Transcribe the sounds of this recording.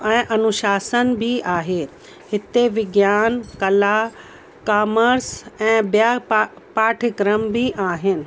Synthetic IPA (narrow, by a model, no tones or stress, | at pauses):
ɛ̃ːʔɐnʊʃaːsənbʱiʔaːɦeː | hɪt̪eʋɪɡjaːnkɐla | kaːməɾsɛ̃ːbjaː | paːʈʰɪkɾəmbʱiʔaːɦɪnɪ̆